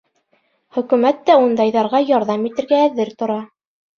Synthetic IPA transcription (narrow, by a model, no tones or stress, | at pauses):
χɵ̆kʉ̆mæt̪ːæund̪ɑjðɑɾʁɑjɑɾðɑmit̪ɘ̆ɾɡæːðɘɾt̪ŏɾɑ